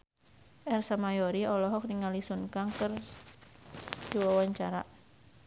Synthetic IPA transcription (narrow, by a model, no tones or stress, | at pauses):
ʔɛrsamajɔɾiɔlɔɦɔk̚diŋalisunkaŋkɨr | diwawaɲt͡ʃaɾa̰